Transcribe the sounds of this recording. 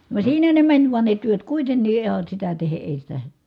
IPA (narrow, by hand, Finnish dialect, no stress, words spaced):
ʋɑĕ siːnæ ne mænʲ ʋuɑn ne tyøt kuitenːiː ihɑn̞ sitæ tehe ʔeˑi sitæ